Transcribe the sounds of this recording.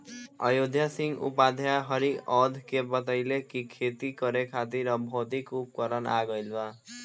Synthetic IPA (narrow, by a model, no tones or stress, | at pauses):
ʌjod̪ʱjasiŋɡṵpad̪ʱjaɦʌɾiʔɔd̪ʱkebʌt̪ajlekikʰet̪ikʌɾekʰat̪iɾʌbʱot̪ikup̚kɔɾʌna̰ɡʌjlba